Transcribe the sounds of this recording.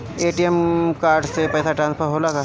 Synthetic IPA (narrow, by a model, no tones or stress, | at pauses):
eːʈijɛmkaːɾɖsepɛːsaʈɾãːnspʰəɾɦoːlaka